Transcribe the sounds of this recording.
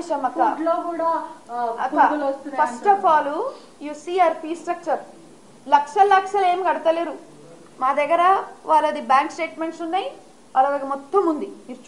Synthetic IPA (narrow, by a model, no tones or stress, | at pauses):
ʃɐmɐk̪ːaloːkuːɽaːɐk̪ːaulɐst̪upɐsʈʈɐpʰaːlu | jusiːɐɾpiːsʈɾɐk̚t͡ʃɐɾ | lɐkʂɐlɐkʂɐleːmiɡɐɽɐt̪ɐleːɾu | maːd̪ɐɡɐɾɐʋaːlːɐd̪ibaːŋksʈe̞ːʈmeɳʈsunːaːji | ʔɐlːalɐkimɔt̪ːɐmund̪imiːɾut͡ʃ